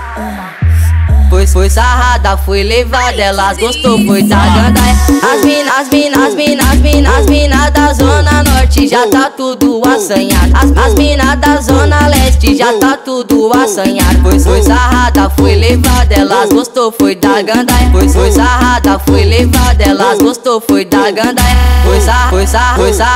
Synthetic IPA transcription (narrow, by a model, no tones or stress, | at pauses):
fojsfojsaɦad̪ɐfojlevad̪ɛlazɡost̪ofojd̪aɡɐ̃d̪ajazmĩnazminazminɐzminazmĩnad̪ɐzõnɐnɔɾt͡ʃɪʒat̪at̪ud̪ʊasɐ̃ɲad̪aazmĩnad̪ɐzõnɐɛst͡ʃɪʒat̪at̪ud̪ʊasɐ̃ɲad̪fojsojsaɦad̪ɐfojlevad̪ɐɛlazosofojd̪aɡɐ̃d̪aojsfojsaad̪ɐfojlevad̪ɐɛlazɡost̪ofojd̪aɡɐ̃d̪afojzafojsafojza